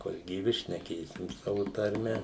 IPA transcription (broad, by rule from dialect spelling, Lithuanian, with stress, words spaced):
koːlˠ ɡʲiːˈʋʲɪ ʃʲnʲɛˈkʲeːsʲɪm ˈsɑːʋʊ tɐrʲˈmʲɛ